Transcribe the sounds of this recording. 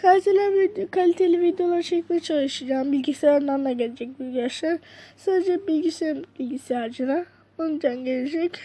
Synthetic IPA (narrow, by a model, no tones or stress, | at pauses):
kaselʲavikʰalʲit̪ʰe̞lʲivid̪ijo̞lˠaɾt͡ʃʰɛcmit͡ʃʰalˠɯʃɯd͡ʒaːmbilʲɟisejanˠanlˠaɟelʲed͡ʒɛc̚biɾɡijaʃlaɾsaːd̪ed͡ʒɛbilʲɟisibilʲɟisejaɾd͡ʒɯna | onud͡ʒanɟelʲed͡ʒɛc